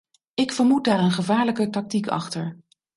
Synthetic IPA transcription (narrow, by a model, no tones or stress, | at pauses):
ɪkfəɹmut̚daːɾənχəvaːɹləkətɑk̚tikɑ̰χtəɹ